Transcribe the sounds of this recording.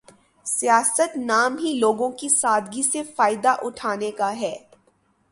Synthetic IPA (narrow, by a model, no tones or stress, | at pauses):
sijaːsət̪naːmɦiloːɡõkisaːd̪ɡisefaːɪd̪aʔʊʈʰaːnekaɦɛː